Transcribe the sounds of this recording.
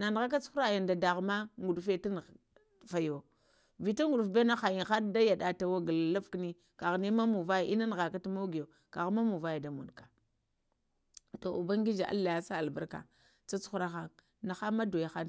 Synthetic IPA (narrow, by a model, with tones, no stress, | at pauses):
na˨n˨ɣa˦k̬a˦t͡su̥˦u˦ɾa˦˨ja˨nda˨da˨ɣma˦ŋɡu˨dfe˦ta˦n˨ | fa˨jo˨ | vi˨ta˦ŋɡu˨ɗfbe˦na˦xa˨ji˨nxa˦ɾda˦ja˨da˨ta˨wa˦ɡa˨lla˦fkni˦ | ka˨ɣni˦ma˦mu˨va˦ja˨ʔi˦na˦n˨ɣa˨ka˦ta˦mo˦ɡi˨jo˨ | ka˨ɣma˦mu˨va˦ja˨da˨mu˨n˨kḁ˨ | to˨u˨ba˦ŋ˦ɡi˦d͡ʒa˨ʔa̰˦lːa˨ja˦sa˦a˨lba˦ɾka̰˨ | t͡sa˦t͡su˦ɾa˦xa˦ŋ | na˨xa˦ma˦do˨ja˨xa˦n